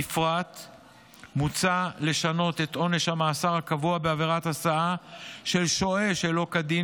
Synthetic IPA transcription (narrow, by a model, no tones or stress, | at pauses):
ifʁat̪ | mut͡sale̞ʃano̞t̪e̞t̪ʔo̞ne̞ʃhamaːsaʁhakavuabeaveʁat̪hasaaʃe̞lʃo̞e̞ʃelo̞kadi